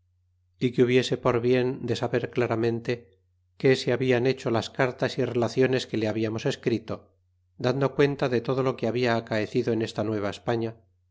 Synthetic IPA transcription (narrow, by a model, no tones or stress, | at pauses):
ikuβje̞se̞po̞ɾβje̞nd̪e̞saβe̞ɾklaɾamẽ̞nt̪e̞ | ke̞seaβiane̞t͡ʃo̞laskaɾt̪asire̞laθjo̞ne̞ske̞le̞aβiamo̞se̞skɾit̪o̞ | d̪and̪okwe̞nt̪aðet̪o̞ð̞o̞lo̞keaβiaːkaeθiðoe̞ne̞st̪anwe̞β̞aespaɲa